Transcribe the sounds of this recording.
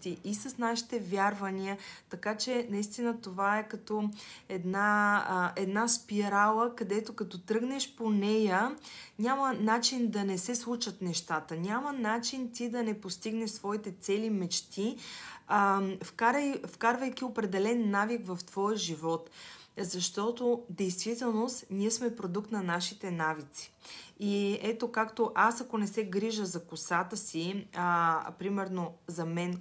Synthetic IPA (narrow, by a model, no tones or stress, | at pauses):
t̪iʔisəsnaʃi̥t̪ɛvʲjaɾvɐniət̪ɐkat͡ʃɛnɐist̪inət̪ovaɛkɐt̪ɔɛd̪naʔɛd̪naspiɾalˠəkɐd̪ɛt̪okɐt̪ɔt̪ɾɤɡnɛʃponɛjənʲamənat͡ʃind̪ɐnɛsɛslˠuʃət̪nɛʃt̪at̪ənʲamənat͡ʃint̪id̪ɐnɛpost̪iɡnɛʃsvɔit̪ɛt̪sɛlimɛt͡ʃt̪i | fkaɾjfkaɾvɐjkʲiopɾɛd̪ɛlɛnːavikvɐft̪v̥ɔjʒivɔt̪zɐʃt̪ɔt̪od̪ɛjst̪vit̪ɛlˠnost̪niɛsmɛpɾod̪uk̚t̪nɐnaʃit̪ɛnavit̪si̥iɛt̪okakt̪oʔasɐkonɛsɛɡɾiʒəzɐkʊsat̪əsi | pɾimɛɾnozɐmɛn